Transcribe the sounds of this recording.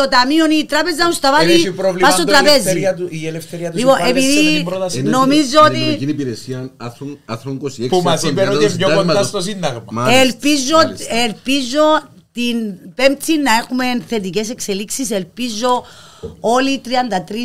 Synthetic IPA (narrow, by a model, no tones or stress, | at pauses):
ot̪ɐmionit̪ɾapezɐmust̪ɐvaðipɾovlpasot̪ɾɐpezit̪uielefθeɾiɐt̪liponepiðiɾot̪ɐsnomizoot̪ikinipiɾesiɐnɐθɾonɐθɾoŋkosiekpumɐsieoɲokonast̪os̬ind̪ɐɣmɐmaelpizoelpizo̞ | t̪inpemt͡sʰinːɐe̞xume̞nθe̞t̪ice̞s̬e̞kseliksiselpizo̞ | o̞lit̪ɾiɐnd̪ɐt̪ɾi